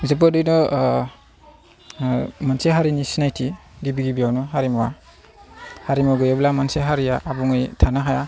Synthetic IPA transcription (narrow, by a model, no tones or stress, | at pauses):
zeb̬adɯjnɔ | manseɦaɾinisinajtʰidibiɡibijawnɔɦaɾimɔwa | haɾimɔɡɯjeblamanseɦaɾijaʔːbuŋɯjtʰanaɦaja